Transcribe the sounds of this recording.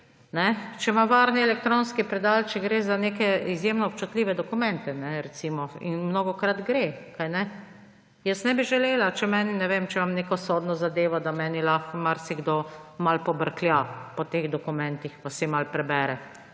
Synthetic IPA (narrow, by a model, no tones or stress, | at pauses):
nɛt͡ʃɛmaʋaːɾniɛlɛk̚t̪ɾoːnskipɾɛd̪alt͡ʃɛɡɾeːzanekɛizjemnɔp̚t͡ʃut̪lʲiːʋɛd̪ɔkumɛnt̪ɛnɛɾɛt̪siːmɔḭnmnoɡɔkɾad̪ɡɾekajnɛ | jəsnɛbiʒɛleːlat͡ʃɛmɛːninɛʋemt͡ʃɛmamneːkɔsoːd̪nɔzad̪eːʋɔd̪amɛːnilaxmaɾsiɡd̪omalpɔbəɾkljapɔt̪eɣd̪ɔkumɛnt̪ixpasimalpɾɛbɛːɾɛ